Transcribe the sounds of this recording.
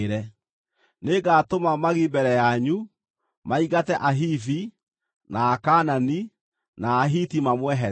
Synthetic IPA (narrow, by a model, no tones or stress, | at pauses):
ɾɛ | neɡatomamaɣibɛɾɛjaɲu | maiɣatɛʔaɦifi | naːkanani | naːɦitimamwɛɦɛ